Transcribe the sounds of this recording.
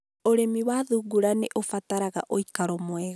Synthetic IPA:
oɾemiwaðuɡuɾaneʔofataɾaɣa̰ʔoikaɾɔmwɛɣa

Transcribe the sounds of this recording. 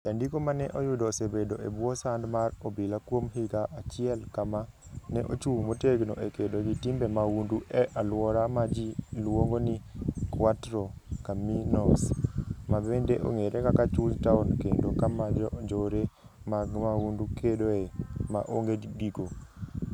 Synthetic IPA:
d͡ʒandikomanɛʔojʊdosebedoebwɔsandmarɔbɪlakwomɦiɡaʔat͡ʃɪɛlkamanɛʔo̰t͡ʃumoteɡno̰ʔekedoɡitimbɛmawunduʔɛʔalwɔɾamad͡ʒilwoŋɡonikwatɾɔkaminɔsmabendeʔo̰ŋeɾʔɛkakat͡ʃuɲtaɔnkendokamad͡ʒɔd͡ʒoɾe | mamawundukedoema̰ʔoŋɡediɡo

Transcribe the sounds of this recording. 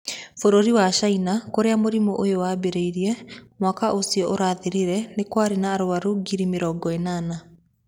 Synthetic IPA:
foɾoɾiwaʃainakoɾeamoɾimɔʔojowabeɾeiɾiɛmwakaʔosiɔʔoɾaːðeɾiɾɛnekwaɾenaːɾoaɾuɡiɾimeɾɔɡɔenana

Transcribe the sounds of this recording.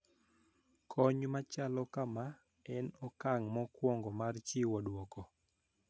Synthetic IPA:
kʰɔɲmat͡ʃalɔkama | ɛnɔkaŋmɔkwɔŋɡɔmart͡ʃiwɔdwɔkɔ

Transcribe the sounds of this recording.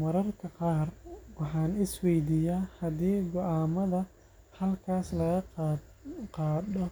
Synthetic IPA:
mɐɾɐrkʰɐqɑːrwɑħɑːnɪswɛjd̪iːjaːhɐdiːɡɔʔaːmɐðɐ | hɐlkʰaːslɐɣɐ | qɑːdɔ

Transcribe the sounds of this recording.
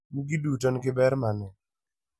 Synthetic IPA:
miɡidutɔnɡɪbɛɾmanɛ

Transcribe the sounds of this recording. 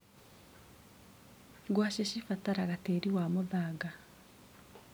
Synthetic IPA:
ɡwaːʃeʃifataɾaɣateɾiwamuðaːɡa

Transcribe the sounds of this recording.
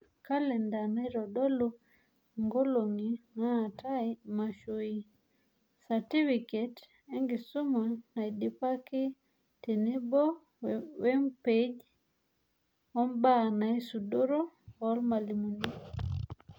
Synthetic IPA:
kalɛndanajɾɔɗɔlu | ŋɡoloŋinatʰaimaʃoi | satifiket | eŋɡisumanajdipaki | tenebɔ | wempeɟ | ɔmbanajsudoɾoɔlmalimuni

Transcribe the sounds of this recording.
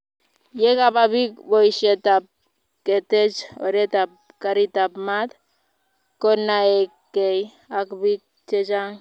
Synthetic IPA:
jekapabik̚bojsetap̚ | ketet͡ʃo̰ɾetap̚ | kaɾitapmat̪ | konːaekːej | akbik̚ | t͡ʃed͡ʒaŋ

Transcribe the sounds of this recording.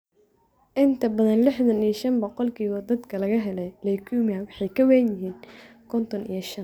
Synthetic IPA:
ʔɪnt̪ʰɐbɐðɐnlɪħðɐnijɐʃɐnbɔqɔlkʰiːβɐd̪ɐd̪kʰɐlɐɣɐɦɛlɛjlɛjkʰumɐwɑħɑjkʰɐwɛnjɪɦiːn | kʰɔnt̪ʰɔnʔḭjɞʃɐn

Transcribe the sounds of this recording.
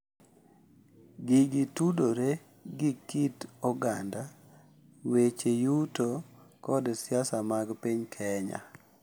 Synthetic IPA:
ɡɪɡɪtudoɾe | ɡikitɔɡanda | wet͡ʃejutokɔdsɪasamaɡpiɲkʰɛɲa̰

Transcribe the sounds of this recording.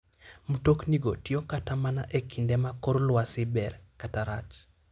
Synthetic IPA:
mutokniɡotiokatamanaʔekindɛmakɔɾlwasibɛɾkataɾat͡ʃ

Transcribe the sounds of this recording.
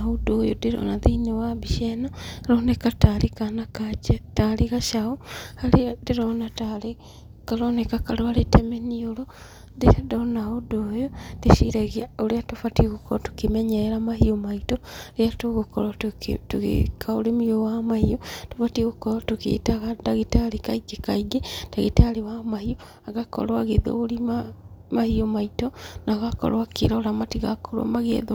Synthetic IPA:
odojodeɾo̰naðiɲowaβiʃenaɾonekatalikanakat͡ʃetaliɣaʃaohaledeɾonatale | kaɾonekakaloaletemeniolo | deɾedonaodojod̥esiɾeɣiaoliatufatiɣukoɾotu̥kimeɲeɾamahiomaitoɾeatoɣokɔɾatuɣḛkʰaoɾemujowamahiotofatiɣokɔɾatokḛtaɣadaɣitalekaiɡekaiɡed̥aɣitalewamahio | aɣakɔ̰ɾoaɣeðo̰olima | mahiɔmaitɔnaɣakɔ̰ɾwakḭɾɔɾamatiɣakoɾwa̰maɣḛðo

